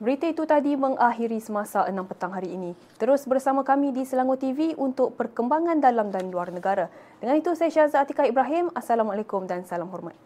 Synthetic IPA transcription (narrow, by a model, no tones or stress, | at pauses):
bəɾit̪əit̪ut̪adimə̃ŋaɦiɾisəmãsaʔənãmpət̪aŋɦaɾiːnĩ | t̪əɾʊsbərsamãkamĩdisəlaŋʊt̪ːiviʔunt̪ʊk̚pərkəmbaŋãndalamdanluarnə̃ɡaɾa | d̥əŋanit̪usajaʃazaat̪ikaibɾaɦɪmasalamalekʊmdansalamɦɔrma̰t̪̚